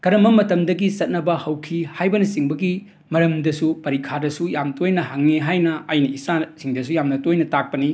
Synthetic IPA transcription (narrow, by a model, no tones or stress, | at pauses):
ɡ̥ɐɾɐmɐmːɐtɐmdɐɡisɐt̚nɐbɐhɐwkʰihajbɐnɐsiŋbɐɡi | mɐɾɐmdɐsupɐɾikʰadɐsujamtojnɐɦaŋneɦajnɐɐjnɐisasiŋdɐs̬ujamnɐtojnɐtak̚pɐni